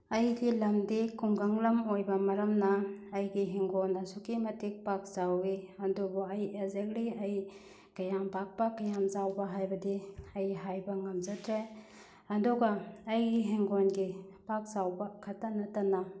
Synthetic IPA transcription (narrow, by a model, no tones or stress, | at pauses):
ɐjɡilɐmdikuŋɡɐŋlɐmojbɐmɐɾɐmnɐːjɡiɦeŋɡonːɐsukimɐtik̚pak̚zawiɐndubuɐjezekliɐj | kɐjampak̚pɐkɐjamzawbɐɦajbɐdiɐjɦajbɐŋɐmzɐtɾaj | ɐduɡɐːjɡiɦeŋɡonɡipak̚zawbɐkʰɐtːɐnɐtɐna